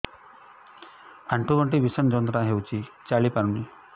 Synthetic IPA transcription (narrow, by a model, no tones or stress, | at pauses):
aɳʈuɡɔɳʈ̬iʋisənd͡ʒɔnt̪ɾãɦewt͡ʃʰit͡ʃaɭipaɾuni